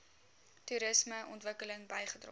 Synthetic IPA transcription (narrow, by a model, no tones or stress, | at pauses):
tuɾəsməʔɔ̰ntvəkələŋbɐjχədrɔ̰